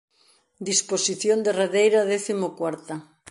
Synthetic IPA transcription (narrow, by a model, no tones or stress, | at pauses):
d̪isposiθjond̪ereðejɾaðeθimokwaɾt̪a